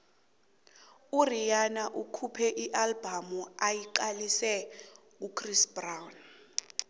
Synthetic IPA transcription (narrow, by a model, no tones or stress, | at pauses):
urijanaʔukʰupʰɛʔiʔalbamuajiǃalisɛ | ukʰrisbrawn